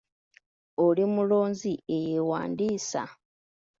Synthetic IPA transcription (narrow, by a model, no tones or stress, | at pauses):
olimulo̞ːnziejewa̰ːndiːsa̰